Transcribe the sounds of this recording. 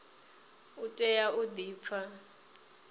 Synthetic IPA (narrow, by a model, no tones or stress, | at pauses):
utʼɛjaʔud̪iːp̪fʰa